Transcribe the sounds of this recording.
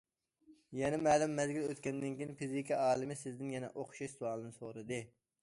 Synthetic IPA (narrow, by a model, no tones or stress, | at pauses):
jɛnɛmɛːlɪmːɛzɡʲiløt̪kʲɛnd̪ɪnkʲinpizikʰʲiɑːlˠɨmɪsɪzd̪ɪnjɛnɛ̰ʔoχʃɑʃsuɑlˠɨnɨsoɾɨd̪ɨ